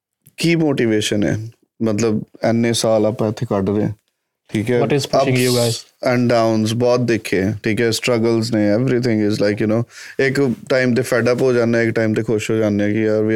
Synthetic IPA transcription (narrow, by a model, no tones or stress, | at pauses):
kiːmoːʈiʋeːʃənɛ̰ː | mət̪ləbɛnːẽːsaːlaːpãːɪt̪ʰːeːkəɖɾẽ | ʈʰiːkɛːʈɪzŋuɡaɪz | ɛ̃ɳɖaːʊnzbɔːt̪̚d̪ɪkʰːeːʈʰiːkɛːsʈɾəɡəlznẽːɛʋɾiːt̪ʰɪ̃ŋɡɪzlaɪkjʊnoːɪkʈaːɪmt̪̬eːfʰɛːɖəpɦoːd͡ʒaːnːaɛɪkʈaːɪmt̪eːkʰʊʃɦoːd͡ʒaːnːɛːkiaɾʋiː